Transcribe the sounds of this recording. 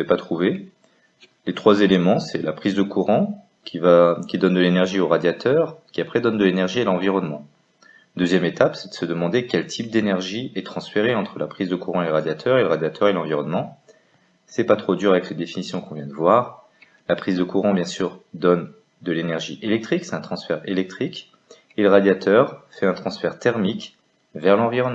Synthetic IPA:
ɛpat̪χuve | let̪χwazelemɑ̃sɛlapχizd̪əkuʁɑ̃ | kʲivakʲid̪ɔnd̪əlenɛʁʒioʁad̪jat̪œʁkʲiapχɛd̪ɔnd̪əlenɛʁʒielɑ̃viʁɔnmɑ̃ | d̪øzjɛmet̪apsɛd̪əsəd̪əmɑ̃d̪ekʲɛlt̪ʰip̚d̪enɛʁʒiɛt̪χɑ̃sfeʁeɑ̃t̪χəlapχizd̪əkuʁɑ̃eləʁad̪jat̪ʰœʁeləʁad̪jat̪ʰœʁelɑ̃viʁɔnmɑ̃ | sɛpat̪χod̪yʁavɛkled̪efinisjɔ̃kɔ̃vjɛ̃d̪əvwaʁ | lapχizd̪əkuʁɑ̃bjɛ̃syʁd̪ɔn | d̪əlenɛʁʒiʔelɛk̚t̪χiksɛ̥t̪ɛ̃t̪χɑ̃sfɛʁelɛk̚t̪χik | eləʁad̪jat̪ʰœʁfɛɛ̃t̪χɑ̃sfɛʁt̪ɛʁmik | vɛʁlɑ̃viʁɔnm̃

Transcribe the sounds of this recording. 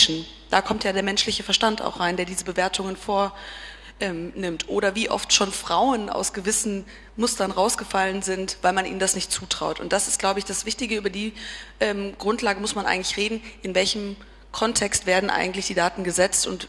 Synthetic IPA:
ʃn̩ | d̥aːkʰɔmtjaːdeːɐmɛnʃlɪçəfɛɐʃtanta̰ʊxʁ̥aɪndeːɐdiːzəbəveːɐtʰʊŋənfoːɐ | ʔɛːmnɪmtʰʔoːɾɐviːʔɔ̰ftʃoːnfʁ̥aʊəna̰ʊsɡ̥əvɪsn̩ | mʊstɐnʁaʊsɡ̥əfalənzɪntv̥aɪlmanʔḭːəndasnɪçt̚t͡suːtʁ̥aʊtʊ̰ntd̥asɪst̚ɡ̥laʊbəɪçd̥asv̥ɪçtɪɡəyːbɐdiːʔɛːmɡ̥ʁʊntʰlaːɡəmʊsmanʔa̰ɪɡŋ̩tlɪçʁeːdn̩ʔɪnvɛlçəm | kʰɔntʰɛkstv̥eːɐdn̩ʔa̰ɪɡŋ̩tlɪçd̥iːdaːtn̩ɡəzɛt͡stʊnt

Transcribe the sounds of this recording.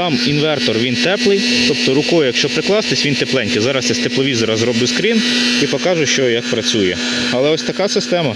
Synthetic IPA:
t̪ɑminʋɛrt̪ɔrʋʲint̪ɛplˠɪjt̪ɔpt̪ɔɾʊkɔjʊjɐkʃt͡ʃɔpɾɪklˠɑst̪esʲʋʲint̪eplˠɛnʲkʲɪzɑɾɐst̪ɛsʲt̪eplˠɔʋʲizɔɾɐzɾɔbɪʊskɾʲinipɔkɑʒʊʃt͡ʃɔjɐk̚pɾɐt͡sʲujɛ | ɐlˠɛɔsʲt̪ɐkɑsɪst̪ɛmɐ

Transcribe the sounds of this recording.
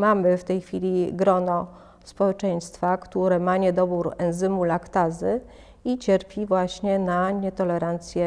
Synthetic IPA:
mamɘft̪ɛjxfʲilʲiɡɾɔnɔ | spɔwɛt͡ʂɛj̃st̪fakt̪uɾɛmaɲɛd̪ɔbuɾɛnzɘmulakt̪azɘ | it͡ɕɛɾpʲivwaɕɲɛnaɲɛt̪ɔlɛɾant̪sʲjɛ

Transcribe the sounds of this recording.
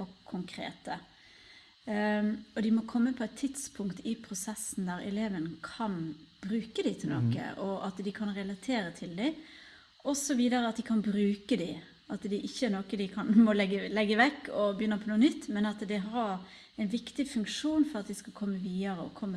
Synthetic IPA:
ɔkʰʊŋkʰɾḛːt̪ə | ɔd̪ɪmɔkʰɔmːəpʰɔɛt̪ʰːɪt̪spʰʊŋkt̪ɪpʰɾʊsɛsn̩d̪æɾɛ̰leːʋənəkʰɑnb̥ɾʉːkəd̪ɪt̪ʰɪlno̰ːkə̰ʔɔʔɑt̪d̪ɪkʰɑnɾɛlɑt̪ʰeːɾət̪ʰɪld̪ɪɪ | ʔɔsɔʋiːd̪əɾəɑt̪̚d̪ɪkʰɑnbɾʉːkəd̪ɪ | ɑt̪d̪ɪʔɪçːəɛnoːkəd̪ɪkʰɑnmɔlɛɡəlɛɡːəʋɛkːɔbəjʏnːəpʰɔnuːənʏt̪ːmɛnɑt̪d̪ɛɦɑɾ | ɛɪnʋɪkt̪ɪfʉŋkʂuːnfɔɾɑt̪d̪ɪskɑkʰɔmːəʋiːɑɾəɔ̰kʰɔmːə

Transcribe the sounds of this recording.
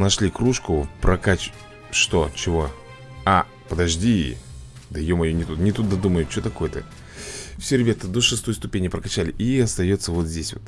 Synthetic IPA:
nɐʂlʲikɾuʂkʊpɾʔɐkat͡ɕ | ʂt̪o̞t͡ɕɪvo | a | pəd̪ɐʐdʲḭ | d̪ɐɪjomɐjonʲɪt̪ut̪nʲɪt̪ut̪̚d̪ɐd̪uməjʊt͡ɕo̞t̪ɐko̞jət̪ə̰ | fsʲoɾʲɪbʲat̪əd̪o̞ʂɨst̪o̞jst̪ʊpʲenʲɪpɾəkɐt͡ɕalʲɪʔiɐst̪ɐjo̞t̪səvo̞t̪zʲdʲesʲvo̰t̪

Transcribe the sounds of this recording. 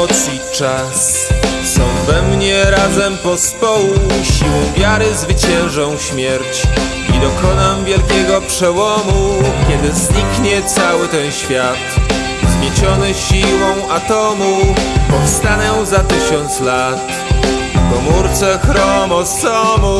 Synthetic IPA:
ɔt̪sɲit͡ʂasː | ɔ̃w̃vɛmɲɛɾazɛmpɔspɔwuɕiwɔ̃w̃vʲjaɾɘzvɘt͡ɕɛ̃w̃ʐɔ̃w̃ɕmʲjɛɾt͡ɕ | ḭd̪ɔkɔnamvʲjɛlkʲɛɡɔpʂɛwɔmukʲjɛd̪ɘzɲikɲɛt̪sawɘt̪ɛnɕfʲjat̪ | zmʲjet͡ɕɔnɛɕiwɔ̃w̃at̪ɔmupɔfst̪anɔw̃zat̪ɘɕɔnt̪slat̪ | kɔmuɾt̪sɛxɾɔmɔsɔmu

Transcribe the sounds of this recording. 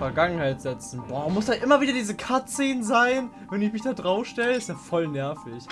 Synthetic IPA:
fɛɐɡaŋənhaɪtz̥ɛt͡sn̩bɔːmʊsd̥aːʔɪmɐviːdɐdiːzəkʰatt͡seːnzaɪn | vɛnɪçmɪçd̥aːdʁaʊfʃtɛləɪstd̥aːfɔlnɛɐfɪç

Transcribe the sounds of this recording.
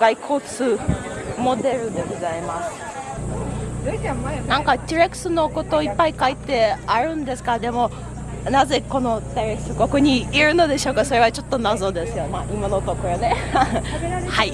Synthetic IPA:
ɡ̥aikʰo̞ːt͡sɨːmo̞d̪e̞ɾɯ̟d̪e̞ɡo̞zaimasɨ̥ | nãŋkat̪ʲiɾekɯ̟̥sɨno̞ko̞t̪o̞ːipːaikait̪ːe̞aɾɯ̟̃nd̪e̞sɨ̥kad̪e̞mo̞ | naze̞ko̞no̞d̪aiɾekɯ̟sɨɡo̞kɯɲ̟iːɾɯ̟no̞d̪e̞ɕo̞ːkaso̞ɾe̞βat͡ɕo̞t̪ːo̞nazo̞d̪e̞sɨjo̞maːʔimanot̪okoɾone | hai

